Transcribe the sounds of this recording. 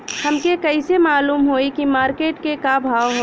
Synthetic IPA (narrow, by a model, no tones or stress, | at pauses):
hɐmkekɐisemaːluːmɦoːikimaːɾkeːʈkekabʱaːʋɦo